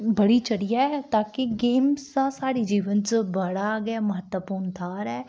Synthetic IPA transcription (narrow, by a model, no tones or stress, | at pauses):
bəɽiːt͡ʃəɽijaɛt̪aːkɪɡeːmsãːsaːɽiːd͡ʒiːʋənt͡ʃbəɽaːɡaːməɦət̪əpuːɳt̪ʰaːɾɛː